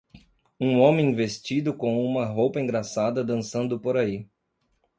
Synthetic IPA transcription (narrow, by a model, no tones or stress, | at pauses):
ũõmẽj̃vest͡ʃid̪ʊkõũmɐɦowpɐĩɡɾasad̪ɐd̪ɐ̃sɐ̃nd̪ʊpoɾai